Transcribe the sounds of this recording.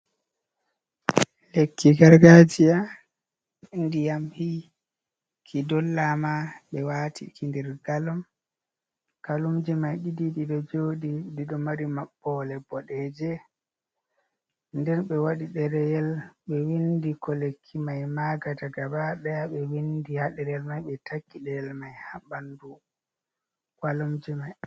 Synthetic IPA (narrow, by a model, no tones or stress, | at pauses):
lekʰːiɡaɾɡad͡ʒija | ndijamhi | kʰidɔlːamaɓɛwaːtʰḭkindɛɾɡalɔm | kalumd͡ʒimajɗidiɗiɗɔd͡ʒoːɗidiɗɔmaɾimaɓːɔlɛbɔɗɛːd͡ʒɛ | ndɛnɓɛwaɗiɗɛɾɛjɛlɓɛwindikɔlekʰːimajmaɡataɡabaɗɛjaɓɛwindihaɗɛɾɛjɛlmajɓɛtakːiɗɛjɛlmajhaɓandu | walumd͡ʒimaj